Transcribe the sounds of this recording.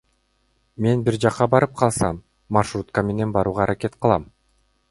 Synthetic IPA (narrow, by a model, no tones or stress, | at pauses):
me̞nbiɾd͡ʒɑqːɑbɑɾɯp̚qʰɑlˠsɑmː | arʃrut̪kəme̞ne̞nbɑɾuːʁɑɾʔake̞t̪̚qʰɯlˠɑm